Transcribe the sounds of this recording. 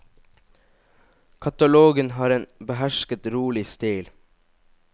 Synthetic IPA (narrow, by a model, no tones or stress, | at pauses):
kʰɑt̪ɑloːɡənhɑːɾeːnbəɦæʃkət̪ɾuːlɪst̪iːl